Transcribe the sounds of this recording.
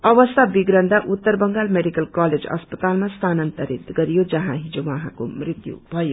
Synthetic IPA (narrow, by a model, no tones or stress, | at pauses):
ʌʋʌst̪ʰabiɡɾʌnd̪ʱaʔut̪ːəɾbʌŋɡalmeɖikəlkaled͡zʌ̰spət̪aːlmast̪ʰanʌnt̪əɾit̪ɡʌɾijod͡ʒʌɦãɦid͡ʒowʌɦãko̰mrit̪jṵbʱʌjo